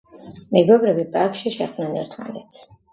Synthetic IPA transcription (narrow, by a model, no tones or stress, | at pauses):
mɛɡɔbɾɛbipʼaɾkʃiʃɛχd̪nanɛ̰ɾt̪ʰma̰nɛt̪sʰ